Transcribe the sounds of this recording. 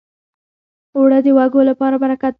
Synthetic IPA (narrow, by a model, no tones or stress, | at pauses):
wɽəd̪əwaɡolapɑɾabaɾakat̪